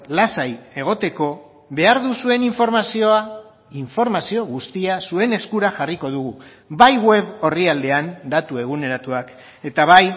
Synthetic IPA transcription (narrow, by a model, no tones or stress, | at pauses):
lasaje̞ɣ̞o̞t̪e̞ko̞ | βe̞aɾðusue̞niɱfo̞ɾmasio̞a | iɱfo̞ɾmasio̞ɣust̪iasue̞ne̞skuɾaʝariko̞ðuɣu | βajɣwe̞βo̞riald̪e̞and̪at̪ue̞ɣ̞une̞ɾat̪uak | e̞t̪aβ̞aj